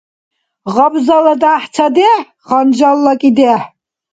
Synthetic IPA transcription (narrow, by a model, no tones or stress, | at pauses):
ʁabzalad̪aːħt͡sʰad̪ɛ | χand͡ʒalːakʼid̪ɛħ